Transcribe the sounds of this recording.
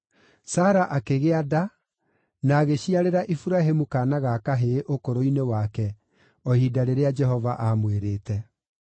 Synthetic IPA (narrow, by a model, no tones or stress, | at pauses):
saːɾaʔakeɣeada | naːɣeɕiaɾeɾaʔifuɾaɦemukaːnaɣakaɦeʔokoɾoinewakɛ | ɔhidaɾeɾead͡ʒɛɦɔvaʔamweɾeːtɛ